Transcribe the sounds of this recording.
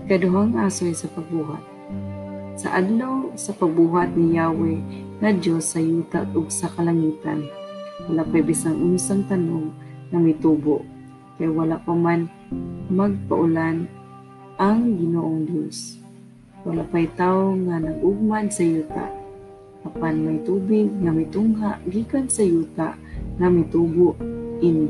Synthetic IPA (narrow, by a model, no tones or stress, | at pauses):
kad̪ʊɦaŋʔaːsojsɐpaɡ̚buːɦa̰t̪̚ | sa̰ʔad̪lawsapaɡ̚buːɦat̪̚nɪjaːwɛŋad͡ʒosːajuːt̪aʔʔʊɡsakalaŋiːt̪a̰nwalapajbɪsaŋʔʊnsaŋt̪anoŋnamɪt̪uːboʔ | kajwalapaman | maɡ̚paʔʊlan | ʔaŋɡɪnoːʔoŋd̪jos | walapajt̪aːoŋanaɡʔʊɡ̚mansajuːt̪a̰ʔ | ʔapanmajt̪uːbɪɡ̚ŋamɪt̪ʊŋɦaʔɡiːkansajuːt̪a̰ʔ | ŋamɪt̪uːboʔɪn